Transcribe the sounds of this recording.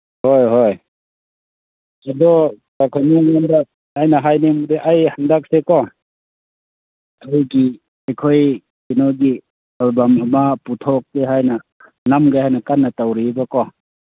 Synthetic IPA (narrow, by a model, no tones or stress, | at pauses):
hojɦoj | adɔ | takʰaniŋanda | ajnaɦajnemudeʔajhandak̚sekɔ | ajɡi | ejkʰoj | kinɔɡi | albamɐmaputʰɔk̚deɦajna | namɡajhajnɐkanːatawɾibakɔ